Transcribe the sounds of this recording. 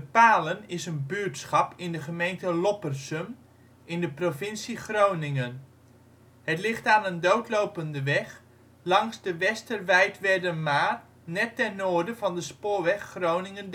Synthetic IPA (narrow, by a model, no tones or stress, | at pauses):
bəpaːlənɪsənbyɹtsχɑpɪndəχəmejntəlɔpərsəm | ʔɪndəprofɪnsiχrownɪŋən | hətlɪχtaːnəndowtlowpəndəʋɛχ | lɑŋsdəʋɛstərʋɛjtʋɛrdənmaːr | nɛtːɛnnoːɹdəvɑndəspʊːɹʋɛχːrownɪŋənd